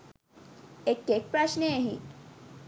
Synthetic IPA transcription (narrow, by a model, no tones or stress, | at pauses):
ekek̚pɾaɕneeɦi